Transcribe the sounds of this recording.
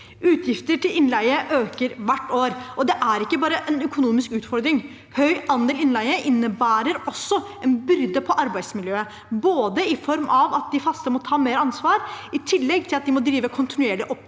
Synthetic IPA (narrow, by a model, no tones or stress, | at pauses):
ʉːt̪ʰjɪft̪əʈʰɪlɪnlæɪəʔøːkəɾʋæʈːoːɾʔɔd̪ɛʔæɾɪkːəbɑːɾəʔɛnœkʊnuːmɪskʉːt̪fɔɾd̪ɾɪŋ | hœʏʔɑnd̪eːlɪnlæɪəʔɪnːəbæːɾəɾɔsːɔ | ɛnbʏɾd̪əpʰɔʔɑɾbæɪd̪smɪljøːə | boːd̪əɪfɔɾmʔɑʋɑt̪̚d̪ɪfɑst̪əmɔt̪ʰɑːmeːɾɑnsʋɑːɾɪt̪ʰɪlːɛɡt̪ʰɪlɑt̪̚d̪ɪmɔd̪ɾiːʋəkʰʊnt̪ɪnʉeːɭɪʔɔp